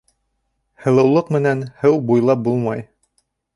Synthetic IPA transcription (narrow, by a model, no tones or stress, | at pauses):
hɤ̆lˠɤ̆wlˠɤqmɘ̆nænhɘwbujlˠɑp̚bulˠmɑj